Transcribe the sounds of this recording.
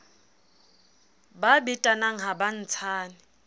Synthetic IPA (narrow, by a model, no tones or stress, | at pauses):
babitʼanaŋ̩ɦaban̩t͡sʰaːnɪ